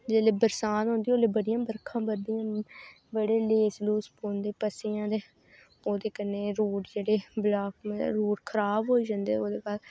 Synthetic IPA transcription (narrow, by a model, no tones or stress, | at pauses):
d͡ʒeːleːbəɾsaːnɦõnd̪ioːleːbəɽɪjãːbəɾkʰãːbəd̪ijãː | bəɽeːleːsluːspõːnd̪eːpəseːãːd̪eː | oːd̪eːkənːeːɾoːʈd͡ʒeːɽeːblaːkmɾoːʈkʰəɾaːbɦoːid͡ʒãːnd̪eːoːd̪eːkaːl